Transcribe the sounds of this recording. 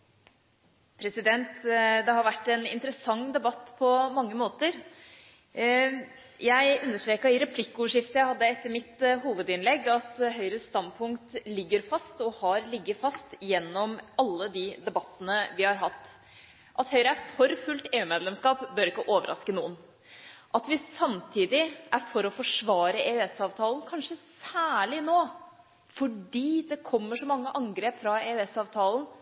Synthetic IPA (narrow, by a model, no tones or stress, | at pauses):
pʰɾɛsɪd̪ɛnt̪d̪ɛhɑɾʋæʈːɛnɪ̰nt̪əɾəsɑŋːd̪ɛbɑt̪ːpʰɔmɑŋːəmoːt̪əɾ | jæɪʉnːəʂʈɾeːkəɾɪɾɛpʰlɪkːʊːʋəʂɪft̪əjæɪhɑd̪ːəɛt̪ːəɾmɪt̪ɦuːʋəd̪ɪnlɛɡːɑt̪ɦœʏɾəst̪ɑnpʰʊŋkt̪lɪɡːəɾfɑst̪ɔhɑɾlɪɡːəfɑst̪jɛnːɔmɑlːəd̪id̪ɛbɑt̪ːənəʋɪhɑɾɦɑt̪ː | ʔɑt̪hœʏɾəæfɔɾfʉlt̪eːʉːmeːd̪lɛmskɑːpbœɾɪkːəʔoːʋəɾʔɑ̰skənuːən | ʔɑt̪ʋɪsɑmt̪ʰiːd̪ɪʔæɾfɔɾɔfɔʂʋɑːɾəeːʉɛsɑːʋt̪ʰɑːlən̩kʰɑnʂəsæːɭɪnoː | fɔɖiːd̪ɛkʰɔmːəʂɔmɑŋːəʔɑŋɡɾeːpfɾɑeːʉɛsɑːʋt̪ʰɑːln̩